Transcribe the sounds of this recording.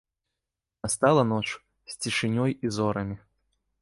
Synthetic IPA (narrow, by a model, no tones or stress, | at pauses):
ɐst̪alˠɐnɔt͡ʂ | sʲt͡sʲɪʂɨnʲɔjizɔɾɐmʲɪ